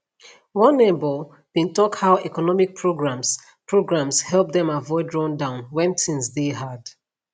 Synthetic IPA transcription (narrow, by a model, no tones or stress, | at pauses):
wɔ̃nːebə | b̥ĩntɔkhaʊʔɛkɔnɔmik̚pʰɹoɡɹãms | pʰɹoɡɹãmshɛlˠp̚dɛ̃mavɔɪdɹɔ̃ndãʊ̃nwɛ̃nsĩnsðeɦad̥